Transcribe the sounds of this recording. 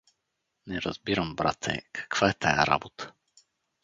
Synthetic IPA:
nɛɾazbiɾambɾa̰t̪ʰɛ̰kʰḁkv̥aɛt̪aja̰ɾa̰bot̪ə̥

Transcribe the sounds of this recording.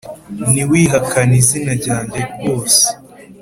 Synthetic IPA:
niwiːɦakanizinaɟaːɲɟeɾɡo̞ːse̥

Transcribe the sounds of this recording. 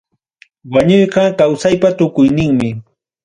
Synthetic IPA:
waɲojɢɑkawsajpat̪ʊkʊjnɪŋmɪ

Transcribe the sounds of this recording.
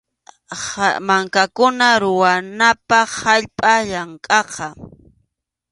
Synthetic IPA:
maŋkakʊnaɾʊwanapɑχaʎpʼaʎaŋkʼɑqɑ

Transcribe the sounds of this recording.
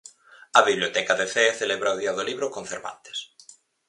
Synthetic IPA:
aβiβljot̪ɛkaðeθeθeleβɾaoðiaðoliβɾokoɱfeɾβa̰nt̪e̥s

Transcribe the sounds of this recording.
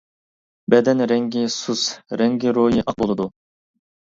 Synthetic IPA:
bɛd̪ɛnɾɛŋɡʲisusɾɛŋɡʲiɾojiʔɑq̚bolˠɨd̪u

